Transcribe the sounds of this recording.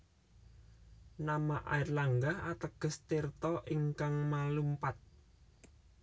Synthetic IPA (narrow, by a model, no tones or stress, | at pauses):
namaʔa̰irlaŋɡahat̪əɡ̥ə̤st̪ert̪ɔʔiŋkaŋmalumpat̪̚